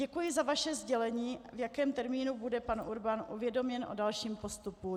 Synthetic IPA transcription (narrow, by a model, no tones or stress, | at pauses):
ɛkujɪzavaʃɛzɟɛlɛɲiːvjakɛːmt̪ɛɾmiːnubudɛpanʔuɾbanʔṵvjɛdo̞mɲɛnʔo̞̰dalʃiːmpo̞st̪upu